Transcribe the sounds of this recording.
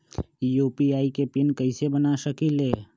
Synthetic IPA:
juːpiaːikepɪnkɐɪsebənaʃəkileː

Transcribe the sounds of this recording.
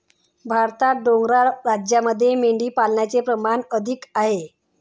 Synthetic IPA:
bʱaɾt̪at̪̚ɖoŋɡɾaɾad͡ʑjaməd̪ʱːjemeɳɖiːpalɳjat͡sepɾəmanəd̪ʱikaɦe

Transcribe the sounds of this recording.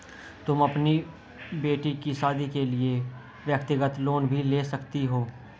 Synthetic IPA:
t̪ʊmɐpni | beːʈikiʃaːd̪ikelie | ʋjəkt̪ɪɡət̪loːnbʱileːsɐkt̪iɦoː

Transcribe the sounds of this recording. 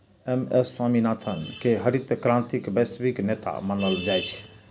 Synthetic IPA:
emesːwaminat̪ʰənkeɦəɾit̪əkɾãnt̪ikbesbiknet̪a̰manəld͡ʒajt͡ʃʰ

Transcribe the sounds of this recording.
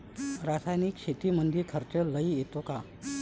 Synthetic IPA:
ɾasajniːkɕet̪iːmənd̪ʱikʰəɾt͡ɕələijet̪oka

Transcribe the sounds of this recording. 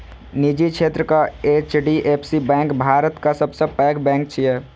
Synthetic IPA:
nid͡ʒikʰt͡ʃʰet̪ɾəkaet͡ʃɖiʔepʰsibɛ̃ːŋkbʱaːɾət̪kasəbsə̃pɛkbɛ̃ːŋk̚t͡ʃʰiɛ

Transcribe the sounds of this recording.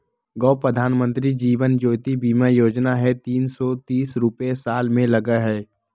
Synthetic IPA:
ɡɔːpɾəd̪ʱaːnmə̃nt̪ɾid͡ʒiːʋənd͡ʒoːt̪ibiːmajoːd͡ʒnaɦɛt̪iːnsɔt̪iːsɾʊpesaːlmẽlɐɡəɦɛː

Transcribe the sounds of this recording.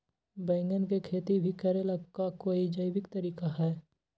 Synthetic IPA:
bɛ̃ːŋɡənkekʰeːt̪ibʱikɐɾelɐɡkakoːid͡ʒəɪbɪkt̪ɐɾiːkaɦɛː

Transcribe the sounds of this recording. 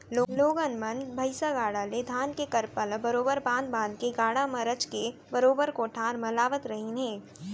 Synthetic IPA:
loːloːɡənmɐnbʱɐɪsaɡaːɽaled̪ʱaːnkekɐɾpəlbɐɾoːbəɾbãːnd̪̚bãːnd̪̚keɡaːɽamɐɾət͡ʃkebɐɾoːbəɾkoʈʰãːɾmɐlaːʋət̪ɾɐɦinɦɛ̃ː

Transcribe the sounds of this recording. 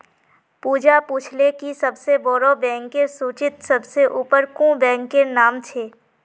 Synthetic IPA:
puːd͡ʒapuːt͡ʃʰlekisɐbseboːɽobɛ̃ːŋkːesuːt͡ʃɪt̪sɐbseʔuːpəɾkũːbɛ̃ːŋkːenaːmt͡ʃʰeː

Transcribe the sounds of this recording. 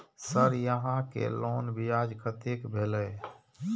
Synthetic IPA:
səɾjəɦãkḛlonbijad͡ʒkʰət̪ekbʱelɛ

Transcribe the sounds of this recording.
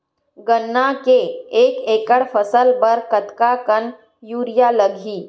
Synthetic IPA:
ɡənːakeeːkeːkəɽfʰəsəlbəɾkət̪kakən | juːɾɪjaləɡʱiː

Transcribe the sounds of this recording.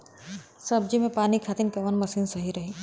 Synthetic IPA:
sɐb̚d͡ʒimẽpaːnikʰaːt̪ɪnkɐʋənmɐsiːnsɐɦiɾɐɦiː

